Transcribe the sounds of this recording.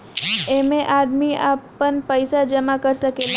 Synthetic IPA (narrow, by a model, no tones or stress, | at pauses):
emẽʔaːd̪miapːənpəɪsad͡ʒəmakəɾsəkeːla